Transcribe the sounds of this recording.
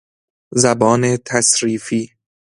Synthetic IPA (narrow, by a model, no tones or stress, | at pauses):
zæbɒːnet̪ʰæsɾiːfiː